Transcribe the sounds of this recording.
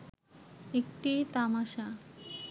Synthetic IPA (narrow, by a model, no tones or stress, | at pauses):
ek̚ʈit̪amaʃa